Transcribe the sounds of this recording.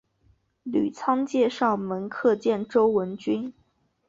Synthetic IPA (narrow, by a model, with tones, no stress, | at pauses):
ly˨˩t͡sʰɑ˥ŋt͡ɕjɛ˥˧ʂɑ˥˩ʊmə˧˥nkʰɤ˥˧t͡ɕjɛ˥˩nʈ͡ʂo˥ʊwə˧˥nt͡ɕy˥n